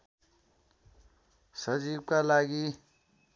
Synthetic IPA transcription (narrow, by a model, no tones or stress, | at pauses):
səd͡ʒib̚kalaɡi